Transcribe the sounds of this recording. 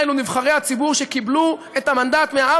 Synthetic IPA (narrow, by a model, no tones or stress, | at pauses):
lunivχaʁejhat͡sibuʁʃekiblu | e̞t̪amand̪at̪meaa